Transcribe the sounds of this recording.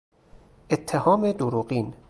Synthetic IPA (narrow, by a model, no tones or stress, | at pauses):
ʔet̪ʰːehɒːmed̪uɾuːɢiːn